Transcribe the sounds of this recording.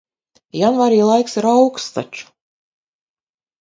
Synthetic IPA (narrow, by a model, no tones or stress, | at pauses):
janvaːɾiːlˠajksɾawkst̪a̰t͡ʃu̥